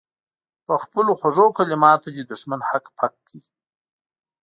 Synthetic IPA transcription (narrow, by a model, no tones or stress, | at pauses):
pəxpəloxwaʐokalɪmɑt̪oded̪ʊʂmanhakpʰakʰːəwi